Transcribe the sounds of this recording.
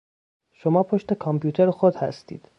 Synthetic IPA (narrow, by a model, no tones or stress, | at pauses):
ʃo̞mɒːpʰoʃt̪e̞kʰɒmpʰjuːt̪ʰeɾxod̪hæ̰st̪ḭːd̪̥